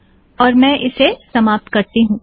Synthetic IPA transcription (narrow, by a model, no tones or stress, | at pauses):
ɔːɾmɛ̃ːʔɪsesɐmaːp̚t̪kɐɾt̪iɦũː